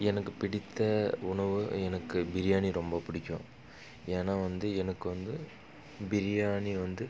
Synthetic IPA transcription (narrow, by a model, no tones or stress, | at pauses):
ɛnɐkːɯpɪɽɪt̪ːɐʊɳɐʋɯɛnɐkːɯbɪɾɪjaːniɾɔmbɐpɪɽɪkʲːʊ̃ | eːnaːʋɐnd̪ɯɛnɐkːɯʋɐnd̪ɯ | bɪɾɪjaːniʋɐnd̪ɯ